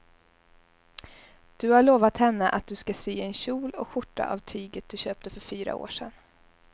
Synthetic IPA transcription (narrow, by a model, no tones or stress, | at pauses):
d̪̥ɵhaɭoːvat̪hɛnːəʔat̪̚d̪ɵskasiːɛnɕuːlɔ̰kɧʊʈːa̰ʔa̰vt̪ʰyːɡət̪̚d̪̥ɵɕøːp̚t̪əfœɾfyːɾa̰o̰ːʂɛ̰n